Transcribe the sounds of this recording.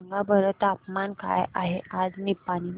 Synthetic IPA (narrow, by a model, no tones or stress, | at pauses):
ŋɡabəɾət̪apmanka̰jaɦead͡znipːaɽ̃i